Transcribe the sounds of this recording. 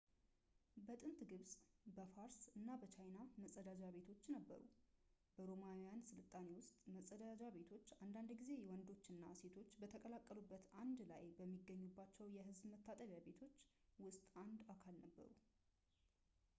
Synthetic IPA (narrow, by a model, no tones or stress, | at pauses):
bət̪ʼɨnt̪ɡɨβsʼbəfaɾsɨnːabət͡ʃʰajnaməsʼəd̪ad͡ʒaβe̞t̪ʰo̞t͡ʃːnəbːə̰ɾṵ | b̥əɾo̞maijansɨlɨt̪ʼːane̞wʊst̪ʼməsʼəd̪ad͡ʒaβe̞t̪ʰo̞t͡ʃːand̪and̪ɡize̞jɛwɔnd̪o̞t͡ʃːɨnːase̞t̪ʰo̞t͡ʃːbət̪ʰəkʼəlakʼːəlubːət̪ʰand̪la̰jbəmːiɡəɲːubːat͡ʃːɛwjɛɦɨzbmət̪ʰːat̪ʼəβjaβe̞t̪ʰo̞t͡ʃːwʊst̪ʼand̪akʰalnəbːə̰ɾṵ